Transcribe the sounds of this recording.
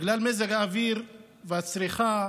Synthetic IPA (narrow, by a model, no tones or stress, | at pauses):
ɡlalmezeɡhaːviɾ | veat͡sɾiχa